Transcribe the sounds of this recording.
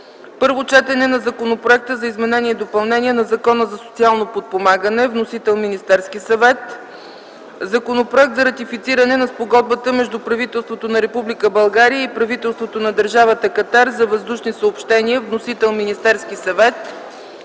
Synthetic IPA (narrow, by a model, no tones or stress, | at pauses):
pɤɾvot͡ʃɛt̪ɛnɛnɐzɐkonopɾoɛk̚t̪əzɐizmɛnɛnʲiɛd̪opɐlˠnɛniɛnɐzɐkɔnəzɐso̥t̪sialˠnopot̪̚pomaɡənɛvnosit̪ɛlˠminist̪ɛɾskisɐvɛt̪ | zɐkonopɾoɛk̚t̪zɐɾɐt̪ifit̪siɾənɛnɐspoɡɔd̪̚bət̪əmɛʒd̪upɾɐvit̪ɛlˠst̪vot̪onɐɾɛpublikəbɐlˠɡaɾijəipɾɐvit̪ɛlˠst̪vot̪onɐd̪əɾʒavət̪əkɐt̪aɾzɐvəzd̪uʃnisəopʃt̪ɛniəvnosit̪ɛlˠminist̪ɛɾskisɐvɛt̪